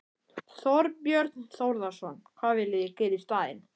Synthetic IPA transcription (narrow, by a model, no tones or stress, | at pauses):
θɔɾpjœɾt̪nθowɾðasɔnkʰvaːðvɪlɪðɪcɛːɾist̪aːðɪ̰n